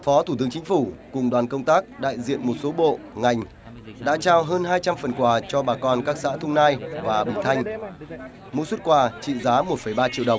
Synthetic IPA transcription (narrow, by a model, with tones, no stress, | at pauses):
fɔ˨˦t̪ʰu˧˩t̪ɨ˨˦əŋt͡ɕï˨˦ŋ̟fu˧˩kʊ˨˩ŋ͡mɗwaː˨˩nkə˧wŋ͡mt̪aː˦˥k̚ɗa̰ː˧˨jzḭ˧˨ənmo˨˩t̚so˨˦ɓo̰˧˨ | ŋa˨˩jŋ̟ | ɗa̰ː˧˥t͡ɕaː˧wɦəː˧nɦaː˧jt͡ɕa˧mfə˨˩nkwaː˨˩t͡ɕɔ˧ɓaː˨˩kɔ˧nkaː˦˥k̚sa̰ː˧˥t̪ʰʊ˧wŋ͡mnaː˧jvaː˨˩ɓḭ˧˨t̪ʰa˧jŋ̟ | mo̰˨˦swt̚kwaː˧˩t͡ɕḭ˧˨zaː˨˦mo˨˩t̚fə˧˩jɓaː˧t͡ɕḭ˧˨wɗə˨˩wŋ͡m